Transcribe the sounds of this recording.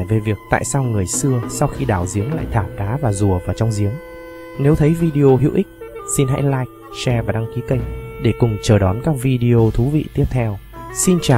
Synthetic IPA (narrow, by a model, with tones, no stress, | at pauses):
jve˨˩vi˨˩ək̚t̪a̰ː˧˨jsaː˧wŋɨ˨˩əjsɨ˧əsa˧wxi˧ɗaː˧˩wzi˨˦əŋla̰ː˧˨jt̪ʰaː˨˩p̚ɗaː˨˦vaː˨˩zu˨˩əvaː˨˩t͡ɕɔ˧wŋ͡mzi˨˦əŋ | ne˨˦wt̪ʰə˨˦jvi˧ɗi˧o˧ɦḭ˧˨wʔi˦˥k̟̚si˧nɦa̰ː˧˥jlaː˧˥jk̚t͡ɕɛ˧vaː˨˩ɗa˧ŋki˨˦kə˧jŋ̚ɗe˧˩kʊ˨˩ŋ͡mt͡ɕəː˨˩ɗɔ˨˦nkaː˦˥k̚vi˧ɗi˧o˧t̪ʰu˨˦vḭ˧˨t̪i˦˥əp̚t̪ʰɛ˧wsi˧nt͡ɕaː˨